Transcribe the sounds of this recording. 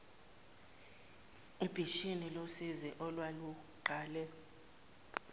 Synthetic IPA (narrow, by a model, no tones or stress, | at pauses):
ub̥ʱiʃinilosizɛʔɔlwalu | ɡ͡ǃʱaːlɛ